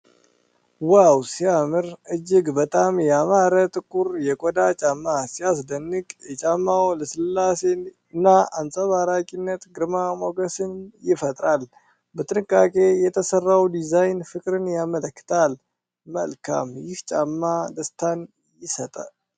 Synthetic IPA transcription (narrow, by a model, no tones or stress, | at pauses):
wawsijamɨɾɨd͡ʒɪɡbət̪ʼamjɛamaɾət̪ʼɨkʼːuɾjɛkʼod̪at͡ʃʼamːasijas̬d̪ənːɨɡʼjɛt͡ʃʼamːawləsɨlːasen | ɨnːaansʼəβaɾakʼinːət̪ɡɨɾmamo̞ɡəsɨnjɪfət̪ʼɾal | bət̪ʼɨnɨkʼːakʼe̞jɛt̪ʰəsərːawd̪izajnfɨkʼɾɨnjamələkːɨ̥t̪ʰal | mə̰lkʰa̰mjɪht͡ʃʼamːad̪əst̪ʰan | jɪsət̪ʼa